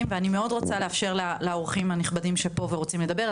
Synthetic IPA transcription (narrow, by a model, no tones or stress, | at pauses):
mveanime̞o̞dʁot͡saleafʃe̞ʁlalaoʁχimhaniχbadimʃepo̞veʁot͡simled̪abeʁ